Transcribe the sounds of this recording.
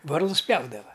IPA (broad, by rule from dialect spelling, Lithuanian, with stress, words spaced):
ˈʋɐrlˠʊs ˈpʲjɛʊdɐʋɐ